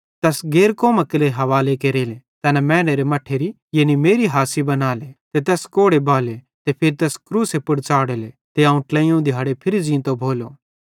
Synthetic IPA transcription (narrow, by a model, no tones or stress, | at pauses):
t̪ɛːsɡeːɾkoːmakɪleɦɐʋaːlekeɾeːle | t̪ɛːnɛmɛːneɾemɐʈʰːeɾi | jeːnimeːɾiɦaːsibɐnaːlet̪et̪̬ɛːskoːɽebʱaːle | t̪epʰɪɾit̪ɛːskɾuːsepʊɽt͡ʃaːɽele | t̪eãʊ̃ʈlɛ̃ːĩjũd̪ʱɪjɦaːɽepʰɪɾid͡ʒĩːt̪obʱoːloː